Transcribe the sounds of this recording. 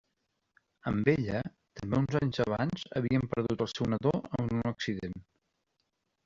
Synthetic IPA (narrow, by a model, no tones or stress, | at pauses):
əmbeʎə | t̪əmbeunzaɲzəβ̞anz̥ə̰βiəmpəɾðut̪əlˠsɛwnəðoə̰munəksiðen